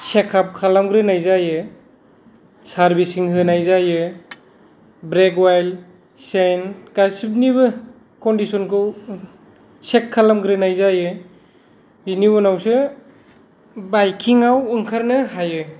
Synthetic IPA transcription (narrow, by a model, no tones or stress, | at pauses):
sekʰːap̚kʰalamɡɾenajzajɯ | saɾbisiŋɦɯnajzajɯ | bɾeɡwajl | senkasip̚nibɯ | kɔndisɔnkʰɯw | sekʰːalamɡɾɯnajzajɯ | biniɔnawsɯ | bajkʰiŋawɯŋkʰaɾnɯhajɯ